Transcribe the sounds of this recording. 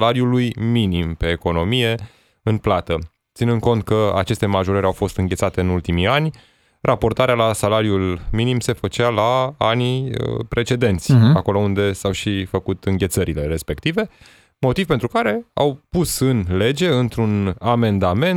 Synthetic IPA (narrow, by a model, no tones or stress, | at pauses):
laɾjulujminimpe̞ːko̞no̞mije̞ | ɨnplat̪ə | t̪sinɨnd̪̚ko̞nt̪̚kəa̰t͡ʃe̞st̪e̞maʒoɾəɾʲawfo̞st̪ɨŋɡet̪sat̪e̞ɨnult̪imijanʲ | rapo̞rt̪aɾealasalaɾjulminimse̞fət͡ʃalaaniə̰pɾe̞t͡ʃe̞d̪e̞nt̪sʲako̞lo̞und̪e̞sawʃifəkut̪ɨŋɡʲe̞t̪səɾile̞ɾe̞spe̞kt̪ive̞ | mo̞t̪ivpent̪ɾukaɾe̞a̰wpusɨnle̞d͡ʒe̞ɨnt̪ɾuname̞nd̪ame̞n